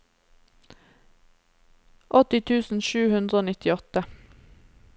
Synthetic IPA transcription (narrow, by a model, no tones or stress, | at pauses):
ʔɔt̪ɪt̪ʰʉːsn̩ʃʉːhʉnd̪ɾəoːnɪt̪ɪɔt̪ə